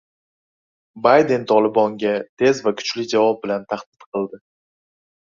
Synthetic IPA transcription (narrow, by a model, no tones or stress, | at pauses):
bajd̪e̞nt̪ʰɒlˠɪbɒŋɡʲat̪ʰe̞zvakʰʊ̥t͡ʃlɪd͡ʒavɒp̚bɪlant̪ʰaχd̪̥ɪt̪qʰɨlˠd̪ɪ